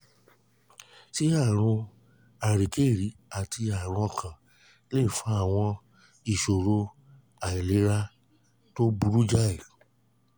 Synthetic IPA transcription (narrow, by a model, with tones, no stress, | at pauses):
ti˨˦a˦˨ɾ̃ũ˧ | a˨ɾi˨ke˦˨ɾi˨˦a˨tʰi˧a˨ɾ̃ũ˧kʰã˨ | le˦˨fã˦a˦˨w̃ɔ̃˧ | i˨ʃo˨ɾo˧ | a˨i˨le˨˦ɾa˦ | to˦bu˦ɾu˦d͡ʒa˦i˨